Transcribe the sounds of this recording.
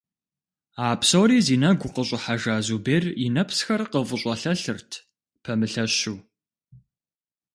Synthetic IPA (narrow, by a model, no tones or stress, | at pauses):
aːpʰsowɾiːziːnɐɡʷʊqəɕʼɪħaʒaːzubeːrinɐpʰsxɐrqəvəɕʼɐɬɐɬɨrtʰ | pʰɐmɨɬɐɕuː